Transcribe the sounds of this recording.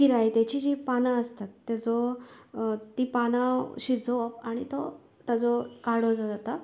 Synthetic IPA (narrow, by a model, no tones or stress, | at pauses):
kiɾajt̪jat͡ɕid͡ʑipanãəst̪at̪ːad͡zɔ | t̪iːpanãɕid͡zɔpaɽ̃it̪o | t̪ad͡zɔkaɽod͡zɔd͡zat̪a